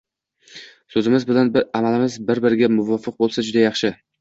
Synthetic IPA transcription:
sɵzɪmɪzbɪlanamalɪmɪzbɪɾbɪɾɡʲamʊvɒfɨq̚bolˠsad͡ʒʊd̪ajɑχʃɪ

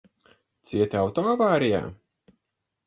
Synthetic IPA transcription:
t̪siɛt̪awt̪ɔavaːɾija̰ː

